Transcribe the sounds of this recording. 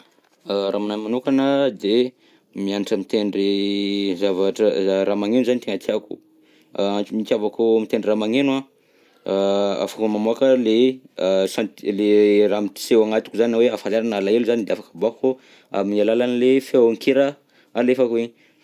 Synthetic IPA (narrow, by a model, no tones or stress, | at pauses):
aɾamananmanokanəd̪e | mianaʈ͡ʂəmit̪eɳɖ͡ʐizavaʈ͡ʂəɾamaŋenzanit̪eŋat̪iakṵ | ant͡ʃumikʲavakumit̪eɳɖ͡ʐiramaŋena | a̰fakumamoakəle | sant̪leramiʈ͡ʂi̥sewaŋat̪u̥kuzaninaweafalaɾanalaeluzanid̪eafakəbako | a̰minalalanlefewaŋkeɾə | alefakuiɲi